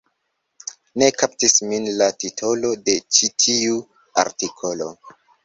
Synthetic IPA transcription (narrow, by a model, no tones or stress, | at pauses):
ne̞kap̚tisminlatitʰo̞lo̞de̞t͡ʃitʰiu | a̰ɾtikʰo̞lo̞̰